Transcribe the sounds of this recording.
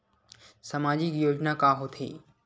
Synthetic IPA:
sɐmaːd͡ʑikjoːd͡ʑnakaːɦot̪ʰḛː

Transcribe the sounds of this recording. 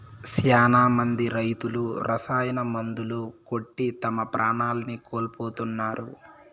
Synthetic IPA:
sjaːnaːmɐnd̪iɾɐjt̪uluɾʔɐsaːjɐnɐmɐnd̪uluko̞ʈːit̪ɐmɐpɾʔaːɳaːlɐnikoːlpoːt̪unːaːɾṵ

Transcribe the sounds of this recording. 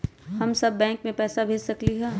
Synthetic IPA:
hɐmsɐbːɛ̃ːŋkmẽpɛːsabʱeːd͡ʒsɐkliɦɛː

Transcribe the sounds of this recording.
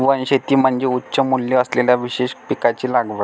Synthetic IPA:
ʋənɕet̪iːm̤əɳd͡zeutːɕəmuljəəsleljaʋiɕeɕpikat͡ɕiːlaɡʋəɾ

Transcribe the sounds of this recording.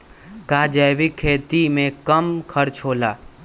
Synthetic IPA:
kaːd͡ʒəːʋɪkʰːeːt̪imẽkəmkʰəɾt͡ʃɦoːlaː

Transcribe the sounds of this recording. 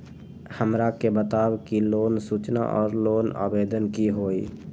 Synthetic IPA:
həmɾakebət̪aːwkiloːnsut͡ʃna̰ʔɔ̰ːɾloːna̰ːbeːd̪ənkiɦoːi

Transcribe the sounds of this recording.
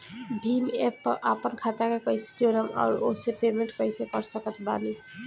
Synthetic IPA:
bʱimepʔapɔnkʰat̪akakɔjse̥d͡ʒonɔma̰ɾosepemenʈkɔjsekɔɾsakət̪bani

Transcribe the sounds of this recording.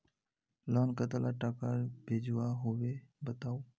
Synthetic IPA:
lɔːnkət̪əlaʈakaɾbʱeːd͡ʒuʋaɦʊʋebət̪aːoː

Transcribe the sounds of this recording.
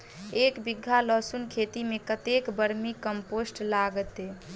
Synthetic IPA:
ekbiɡʱːalɔsunkʰet̪imekət̪ekbəɾmikəmposʈlaɡət̪e

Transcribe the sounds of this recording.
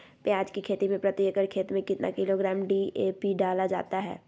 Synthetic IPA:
pjaːd͡ʒkikʰeːt̪imẽpɾɐt̪ɪjəkəɾkʰeːt̪mẽkɪt̪nʔa̰kɪloɡɾaːmɖieːpiɖaːlad͡ʒa̰ːt̪aɦɛ̰ː

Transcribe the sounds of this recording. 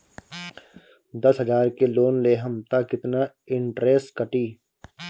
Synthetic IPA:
d̪ɐsɦəzaːɾkeloːnleːɦəmt̪akɪt̪na | ɪ̃ɳʈɾɛːsʈkɐʈiː

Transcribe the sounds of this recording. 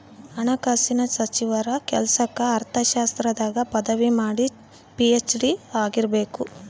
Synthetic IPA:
ɐnɐkaːsinɐsɐt͡ʃiʋɐɾɐkɛlsɐkɐːɾt̪ʰɐʃaːst̪ɾɐd̪aːɡɐpɐd̪ɐʋimaːɽi | piet͡ʃɖiaːɡiɾɐbe̞ːku

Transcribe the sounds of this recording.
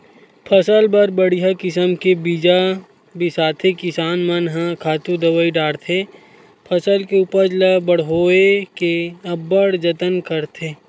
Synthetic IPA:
pʰəsəlbəɾbəɽiɦakɪsəmkebiːd͡ʒa | bisaːt̪ʰekɪsaːnmənɦãkʰaːt̪ũd̪ɐwəiɖaːɽt̪ʰe | pʰɐsəlkeʊpəd͡ʒləbəɽɦoːekeɐbəɽd͡ʒət̪ənkəɾt̪ʰeː

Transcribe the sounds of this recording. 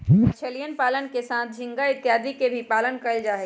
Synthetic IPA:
t͡ʃʰelijənpaːlənkesaːt̪̚ʰd͡ʒʱɪ̃ŋɡaɪt̪jaːd̪ikebʱipaːlənkəəld͡ʒaːɦe

